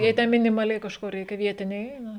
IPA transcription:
jɛɪ ˈtʲɛ mʲɪnʲɪmɐˈlʲɛɪ kɐʃˈkoː ˈrʲɛɪkʲɛ ˈʋʲiɛtʲɪnʲɛɪ ˈɛɪnɐ

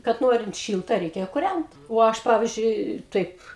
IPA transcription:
kɐt ˈnoːrʲɪnt ˈʃʲiːlˠtɐ ˈrʲɛɪkʲɛ kʊrʲænt oː ˈɐʃ ˈpɑːʋʲɪzʲd͡ʒʲʊɪ ˈtɐɪp

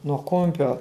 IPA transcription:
nuɔ ˈkʊmʲpʲoː

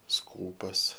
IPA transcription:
ˈskuːpɐs

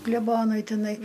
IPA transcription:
klʲɛˈboːnʊɪ tʲɪˈnɐɪ

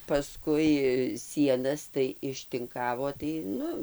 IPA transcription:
pɐˈskʊɪ ˈsʲiɛnɐs tɐɪ ɪʃʲtʲɪŋˈkɑːʋoː tɐɪ ˈnʊ

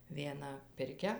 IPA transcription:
ʋʲiɛˈnɐ pʲɪrʲˈkʲɛ

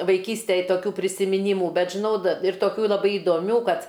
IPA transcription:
ʋɐɪˈkʲiːsʲtʲeːj toːˈkʲuː pʲrʲɪsʲɪmʲɪˈnʲiːmʊ ˈbʲɛt ʒʲɪˈnɐʊ dɐ ɪr toːˈkʲuː lˠɐˈbɐɪ ɪdoːˈmʲuː ˈkɐt

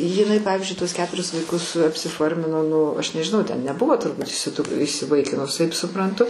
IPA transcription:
jɪˈnɐɪ ˈpɑːʋʲɪzʲd͡ʒʲʊɪ tuɔs ˈkʲæːtʊrʲɪs ʋɐɪˈkʊs ɐpʲsʲɪˈfoːrʲmʲɪnoː ˈnʊ ˈɐʃ nʲɛʒʲɪˈnɐʊ tʲɛn nʲɛˈbʊʋoː tʊrˈbuːt iːsʲɪˈdʊ iːsʲɪˈʋɐɪkʲɪnʊs ˈtɐɪp sʊprɐnˈtʊ

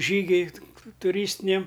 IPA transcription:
ˈʒʲiːɡʲʊɪ tʊˈrʲiːsʲtʲɪnʲɛm

